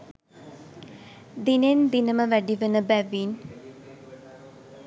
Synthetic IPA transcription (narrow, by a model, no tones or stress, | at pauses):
d̪inend̪inəmɐʋæɖiʋənəbæʋiːn